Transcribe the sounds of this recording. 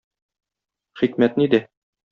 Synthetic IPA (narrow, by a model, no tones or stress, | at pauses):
χikmæt̪nid̪ɘ